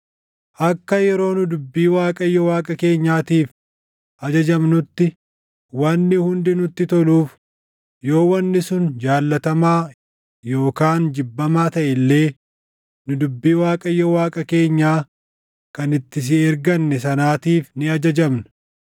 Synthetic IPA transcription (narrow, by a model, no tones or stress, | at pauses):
ʔɐkːɐjɛɾo̞ːnʊd̪ʊbːiːwaːkʼɐjːɔwaːkʼɐke̞ːɲːaːt̪iːf | ʔɐd͡ʒɐd͡ʒɐmnʊt̪ːɪ | wɐnːɪhʊnd̪ɪnʊt̪ːɪt̪ɔluːf | jo̞ːwɐnːɪsʊnd͡ʒaːlːɐt̪ɐmaː | jo̞ːkaːnd͡ʒɪbːɐmaːt̪ɐʔɛlːe̞ː | nʊd̪ʊbːiːwaːkʼɐjːɔwaːkʼɐke̞ːɲːaː | kɐnɪt̪ːɪs̬ɪɛɾɡɐnːɛsɐnaːt̪iːfnɪɐd͡ʒɐd͡ʒɐmnʊ̥